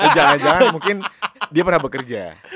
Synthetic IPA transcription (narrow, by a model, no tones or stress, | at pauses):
d͡ʒaŋand͡ʒaŋanmuŋkɪndiapərnahbəkərd͡ʒa̰